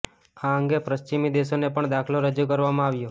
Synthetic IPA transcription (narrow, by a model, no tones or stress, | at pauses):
aəŋɡepɾəʃt͡ʃimid̪eʃonepəɳd̪akʰloɾəd͡ʒukəɾʋamãaʋjo